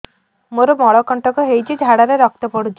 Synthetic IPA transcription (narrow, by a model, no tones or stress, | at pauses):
moɾomɔɽɔkɔɳʈɔkɔɦejt͡ʃʰid͡ʒʱaɽaɾeɾɔk̚t̪ɔpɔɽut͡ʃʰi